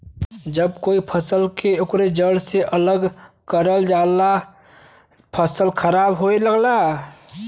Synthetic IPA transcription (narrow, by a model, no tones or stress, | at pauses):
d͡ʒəb̚koːipʰəsəlkeokɾed͡ʒəɽseʔələɡ | kəɾəld͡ʒaːla | pʰəsəlkʰəɾaːbɦoeləɡla